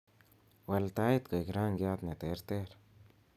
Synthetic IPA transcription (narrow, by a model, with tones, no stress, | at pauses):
we˧lt̪a˦jt̪ka˨ikɾa˦ŋɡja˧t̪ne˨t̪e˧˦ɾt̪e˦ɾ